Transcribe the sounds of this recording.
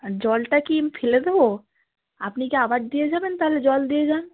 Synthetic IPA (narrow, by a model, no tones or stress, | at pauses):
d͡ʒɔːlʈakimpʰɪləd̪ɦo | apnikeaːʋaːd͡ʒd̪ied͡ʒaːbent̪aled͡ʒɔːld̪ied͡ʒaː